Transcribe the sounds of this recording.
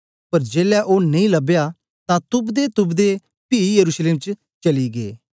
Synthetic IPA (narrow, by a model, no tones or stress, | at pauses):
pɐɾd͡ʒeːlɛʔoːnɐĩːləbja | t̪ãt̪ʊbd̪eːt̪ʊbd̪e | piːjəɾuːʃleːmt͡ʃ | t͡ʃəliɡeː